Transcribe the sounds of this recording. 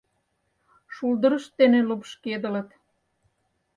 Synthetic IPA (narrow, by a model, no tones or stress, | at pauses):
ʃuld̪ə̆ɾə̆ʃt̪enelupʃked̪ə̆lə̆t̪